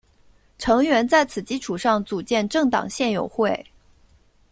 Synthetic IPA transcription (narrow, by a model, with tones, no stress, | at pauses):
ʈ͡ʂʰɤ˧˥ŋɥɛ˧˥nt͡sa˥˩ɪt͡sʰɹ̩˨˩t͡ɕi˥˩ʈ͡ʂʰu˨˩ʂɑ˥˩ŋt͡su˨˩t͡ɕjɛ˥˧nʈ͡ʂɤ˥˩ŋt̪ɑ̰˨˩ŋɕjɛ˥˩njo̰˨˩ʊxwe˥˩ɪ